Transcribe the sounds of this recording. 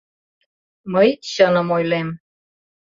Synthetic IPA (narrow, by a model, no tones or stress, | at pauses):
məjɕənə̆mojlem